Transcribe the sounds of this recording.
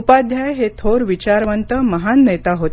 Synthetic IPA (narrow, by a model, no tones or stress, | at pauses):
pad̪ʱjajɦet̪ʰoɾʋit͡ɕaɾʋənt̪əməɦanːet̪aɦot̪